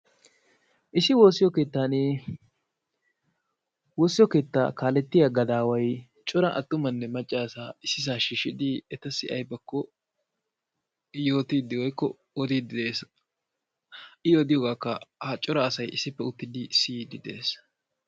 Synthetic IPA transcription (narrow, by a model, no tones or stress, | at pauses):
ʔɪsɪwo̞ːsɪjɔke̞ːt̪ːaːne | woːsːɪjɔke̞ːt̪ːa̰ːkaːlɛt̪ːɪjaɡɐd̪aːwɐj | t͡ʃʼɔɾɐʔɐ̰t̪ːʊmɐnːɛmɐt͡ʃʼːaːsaːɪsɪs̬aːʃiːʃɪd̪ɪɛt̪ɐsɪʔɐjbɐkːɔ | jo̞ːt̪iːd̪ɪwɔjkːɔ̰ | ɔd̪iːd̪ɪd̪e̞ːs | ɪjɔd̪ɪjɔɡaːkːɐ̰hɐt͡ʃʼɔɾɐːsɐjɪsːɪpːɛʊt̪ːɪd̪ɪsid̪ɪd̪e̞̰ːs